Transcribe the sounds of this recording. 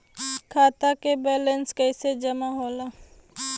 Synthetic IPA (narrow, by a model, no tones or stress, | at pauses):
kʰaːt̪akebɛːlənskɛɪsed͡ʒɐmaɦoːlaː